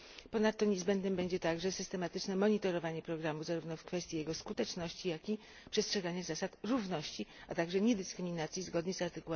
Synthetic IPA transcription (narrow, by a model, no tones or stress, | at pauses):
pɔnat̪ːɔɲɛzbɛnd̪nɘmbɛɲd͡ʑɛt̪aɡʐɛsɘ̥st̪ɛmat̪ɘt͡ʂnɛmɔɲit̪ɔɾɔvaɲɛpɾɔɡɾamuzaɾuvnɔfkfɛst̪ʲjijɛɡɔskut̪ɛt͡ʂnɔɕt͡ɕijakʲi | pʂɛstʂɛɡaɲazasat̪ɾuvnɔɕt͡ɕiat̪aɡʐɛɲɛd̪ɘskɾɘmʲinat̪sʲjizɡɔd̪ɲizaɾt̪ɘkuɛ